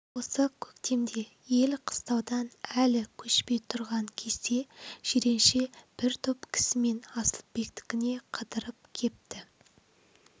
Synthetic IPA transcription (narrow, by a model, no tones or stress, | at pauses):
wo̞səkʲʰɵkt̪e̞md̪e̞ | je̞lqʰə̥st̪ɑwd̪ɑnælɪkʲʰɵʃpe̞jt̪ʰʊɾʁɑŋkʲʰeze̞ʒ̥eɾe̞nʃe̞b̥ɪɾt̪ʰopkʲʰɪ̥sɪme̞nɑsəlˠbe̞kt̪ɪ̥kʲɪne̞qʰəd̪əɾəp̚kʲʰe̞p̚t̪ɪ